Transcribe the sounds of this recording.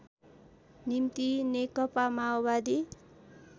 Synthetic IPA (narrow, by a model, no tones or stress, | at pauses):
nimt̪inekʌpamaobad̪i